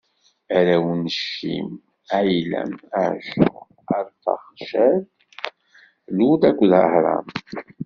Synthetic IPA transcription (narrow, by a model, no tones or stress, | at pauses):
æɾæwnəʃḭm | æjlæ̰məʕʃu | əɾˤfɑ̰χʃæl | lud̪ækʷːðə̰hɾˤɑ̰m